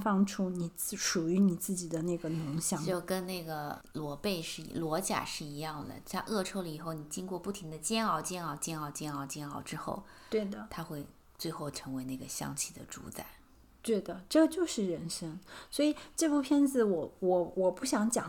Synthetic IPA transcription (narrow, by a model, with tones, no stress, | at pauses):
fɑ˥ŋʈ͡ʂʰu˥ni˨˩t͡s̩˥˩ʂu˨˩y˧˥ni˨˩t͡sɹ̩˥˩t͡ɕi˨˩d̪ə˦na˥˩ɡə˩nʊ˧˥ŋɕjɑ˥˩˦ŋt͡ɕjo˥˩ʊkə˥nne˥˩ɪɡə˩ | lwɔ˧˥pe˥˧ɪʂɻ̩˥˩ḭ˧˥˩lwɔ˧˥t͡ɕja̰˨˩ʂɻ̩˥˩i˧˥jɑ˥˩ŋd̪ə̰˩t̪ʰa˥ʔɤ˥˩ʈ͡ʂʰo˥ʊlə˧i˨˩xo˥˩ʊni˨˩t͡ɕi˥ŋkwɔ˥˧pu˥˩t̪ʰi˧˥ŋd̪ə˧t͡ɕjɛ˥nɑ˥˩ʊt͡ɕjɛ˥nɑ˥˩ʊt͡ɕjɛ˥˧nɑ˥˩ʊt͡ɕjɛ˥nɑ˥˩ʊt͡ɕjɛ˥nɑ˥˩ʊʈ͡ʂɻ̩˥xo̰˥˩ʊt̪we˥˩ɪd̪ə˩t̪ʰa˥xwe˥˧ɪ | t͡swe˥˧ɪxo˥˩ʊʈ͡ʂʰɤ˧˥ŋwe˧˥ɪna˥˩ɡə˩ɕjɑ̰˥ŋt͡ɕʰi˥˩d̪ə̰˩ʈ͡ʂṵ˧˥t͡sa˥˩˦ɪ | t̪wɛ˥˩d̪ə˩ʈ͡ʂɤ˥˩t͡ɕjo˥˧ʊʂɻ̩˥˩ɻə˧˥nʂɤ˥ŋswɔ˧˥i˨ʈ͡ʂɤ˥˧pu˥˩pʰjɛ˥nt͡sɹ̩˨˩wɔ˨˧˥wɔ˨˩wɔ˨˩pu˥˩ɕjɑ˧˥ŋt͡ɕjɑ˨˩˦